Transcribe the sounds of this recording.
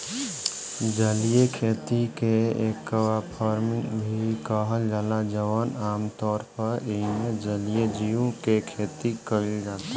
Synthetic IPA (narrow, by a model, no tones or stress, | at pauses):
d͡ʒəlijekʰeːt̪ikeeːkːəʋapʰɔːɾmɪ̃ŋɡbʱikəɦəld͡ʒaːlad͡ʒəʋənaːmt̪ɔːɾpəɾemed͡ʒəlijed͡ʒijõkekʰeːt̪ikəɾid͡ʒaːt̪a